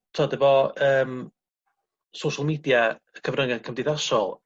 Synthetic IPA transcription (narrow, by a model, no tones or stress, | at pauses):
tʰɔdəvɔəːm | sowʃalˠmiːdjaəkʰəvrəŋankʰəmdɪðaʃɔlˠ